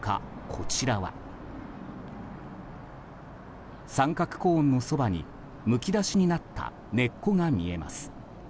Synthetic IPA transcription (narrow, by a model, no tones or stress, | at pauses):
ka̰kʰo̞t͡ɕiɾaβa̰ | sãŋkakɯ̟̥kõːnːo̞so̞baɲ̟ḭ | mɯ̟kʲid̪aɕiɲ̟inat̪ːa̰ | ne̞kːo̞ŋamʲie̞ma̰sɨ̥